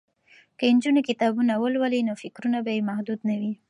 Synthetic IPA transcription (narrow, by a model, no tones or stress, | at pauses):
kəɪnd͡ʒunikɪt̪ɑbunawəlwəlinofɪkɾunabajemahd̪ud̪nawi